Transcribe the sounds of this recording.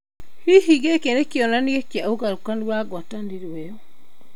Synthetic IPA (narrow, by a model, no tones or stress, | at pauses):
hiɦiɣekenekiɔnaniekjaoɣaɾukaniwaɡwatandiɾwɛɔ